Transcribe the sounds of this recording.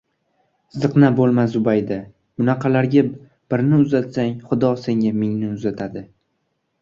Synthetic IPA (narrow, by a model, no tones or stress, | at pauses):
zɨqnabolˠmasʊbajd̪a | mʊnɑqʰɑlaɾɡʲa | b̥ɪɾnɪʊzat̪saŋχʊd̪ɒse̞ŋʲamɪŋnɪʊzat̪ʰad̪ɪ